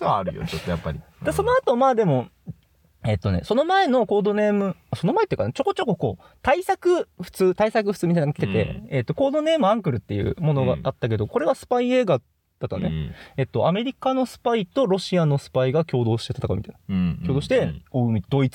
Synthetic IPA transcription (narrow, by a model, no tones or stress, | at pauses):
ɾɯ̟jo̰t͡ɕot̪ːojapːaɾʲi | d̪eso̞noat̪o̞maːd̪e̞mo̞ | e̞t̪ːo̞ne̞̰so̞no̞mae̞no̞ko̞ːd̪o̞ne̞ːmɯ̟aso̞no̞maet̪ːeikanet͡ɕo̞ko̞t͡ɕo̞ko̞ko̞ː | t̪aisakɯ̟ɸɯ̟̥t͡sɨːt̪aisakɯ̟ɸɯ̥t͡sɨːmit̪ainaɡaki̥t̪et̪e̞̰et̪ːo̞ko̞ːd̪o̞ne̞ːmɯ̟ãŋkɯ̟ɾɯ̟t̪ːe̞jɯ̟̰ːmo̞no̞ɡa̰at̪ːak̬e̞d̪o̞ko̞ɾe̞βasɨ̥paieːɡa | d̪̥at̪ːonḛe̞t̪ːo̞ʔame̞ɾʲikano̞sɨ̥pait̪o̞ɾo̞ɕiano̞sɨ̥paiɡakʲo̞ːd̪o̞ːɕi̥t̪et̪at̪aka̰mit̪ain̥kʲoːd̪oɕi̥t̪e̞oɯmʲid̪o̞it͡sɨ̥